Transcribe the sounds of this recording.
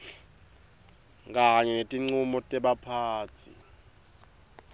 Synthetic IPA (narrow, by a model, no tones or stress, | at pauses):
k̬aɲɛnetʼiŋ͡ǀumɔtʼɛɓapʰaːt͡sʰḭ